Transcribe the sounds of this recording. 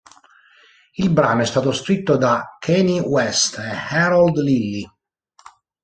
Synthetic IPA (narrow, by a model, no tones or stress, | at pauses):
ilbɾa̰ːnoɛst̪aːt̪oskɾit̪ːod̪akʰːɛniwɛst̪ehɛɾald̪lilːi